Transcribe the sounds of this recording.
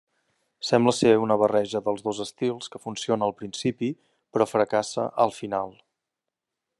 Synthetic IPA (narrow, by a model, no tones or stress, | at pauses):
sɛmbləseunəβ̞ərɛʒəðəlˠzðozəst̪ilˠskəfunsionəːlˠpɾinsipi | pɾɔfɾəkasə̰ʔəlˠfinalˠ